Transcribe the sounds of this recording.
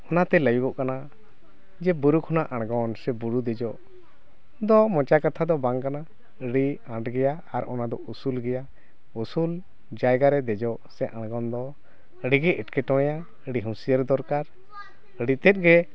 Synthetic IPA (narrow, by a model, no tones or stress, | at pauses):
ɔnat̪ɛləjuɡɔʔkana | d͡ʒɛbuɾukʰɔnaʔãɽ̃ɡɔnsɛbuɾud̪ɛd͡ʒɔʔ | d̪ɔmɔ̃t͡ʃakat̪ʰad̪ɔbaŋkana | ɽiãʈɡɛja | aɾɔnad̪ɔʔusulɡɛja | usul | d͡ʒajɡaɾɛd̪ɛd͡ʒɔʔsɛʔãɽ̃ɡɔnd̪ɔ | ɽiɡɛʔɛʈkɛʈɔ̃ja | əɽiɦũsijəɾd̪ɔɾkaɾ | ɽit̪ɛt̪̚ˀɡɛ